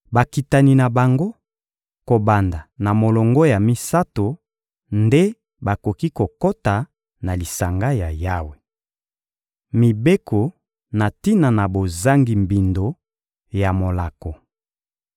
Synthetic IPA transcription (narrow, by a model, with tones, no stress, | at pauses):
ba˨ki˨ta˨ni˨na˨ba˨ŋɡo˦ | ko˨ba˨nda˨na˨mo˨lɔ˨ŋɡo˦ja˨mi˦sa˦to˨ | nde˦ | ba˨ko˨ki˦ko˨ko˦ta˨ | na˨li˨sa˨ŋɡa˦ja˨ja˦we˨ | mi˨be˦ko˨ | na˨ti˦na˨na˨bo˨za˦ŋɡi˨mbi˨ndo˨ | ja˨mo˨la˨ko˨